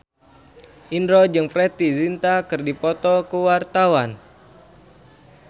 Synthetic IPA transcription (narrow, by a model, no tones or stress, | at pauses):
ʔindɾɔd͡ʒɨŋfɾɛt̪izint̪akɨrdipɔt̪ɔkəwart̪awan